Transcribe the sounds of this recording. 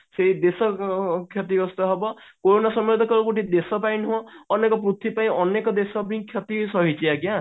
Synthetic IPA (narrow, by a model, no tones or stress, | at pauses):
seɦid̪esɔkʰjɔt̪iɡɔst̪ɔɦebɔkoɾonasɔmiɾd̪ʱɔkɔɾɔkuʈid̪esɔpaj̃nuɦɔ̃ɔnekɔpɾut̪ʰipaj̃ʔɔnekɔd̪esɔbĩkʰjɔt̪isɔɦit͡ʃʰiaɡiã